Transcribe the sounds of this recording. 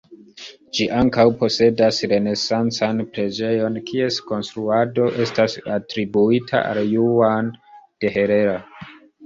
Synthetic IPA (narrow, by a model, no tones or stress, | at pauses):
d͡ʒiʔaŋkawpo̞se̞dasɾe̞ne̞sant͡sanpɾe̞d͡ʒe̞jo̞nkʰie̞sko̞nstɾuado̞ʔe̞stasatɾibuitʰa̰a̰ljuand̥e̞ɦe̞ɾe̞ɾa